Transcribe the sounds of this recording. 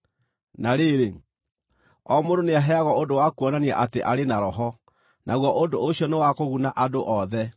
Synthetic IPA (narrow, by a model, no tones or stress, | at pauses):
naɾeɾe | ɔmoɾoneaɦɛaɣɔondowakuɔnaniɛʔateʔaɾenaɾɔɦɔ | nʔaɣwɔʔondoːɕiɔnewakoɣunaʔadoʔɔðɛ